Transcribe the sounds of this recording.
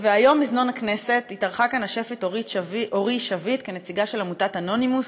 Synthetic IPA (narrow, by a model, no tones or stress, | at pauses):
veajo̞mːizno̞nakne̞se̞titaʁχakanaʃe̞fetoʁitvʔoʁiʃavitke̞ne̞t͡siɡaʃe̞lamutatano̞nimus